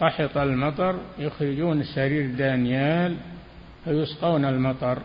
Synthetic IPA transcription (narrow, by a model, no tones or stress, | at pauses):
ɑħɑt̪ˤalmɑt̪ˤɑɾˤjʊxɾɪd͡ʒuːnɪsːaɾiːɾd̪anjaːl | fajʊsqɑːnalmɑt̪ˤɑɾˤ